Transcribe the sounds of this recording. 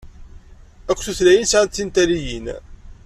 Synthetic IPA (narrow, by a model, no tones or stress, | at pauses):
ækʷːθuθlæjinsnːint̪æɾijin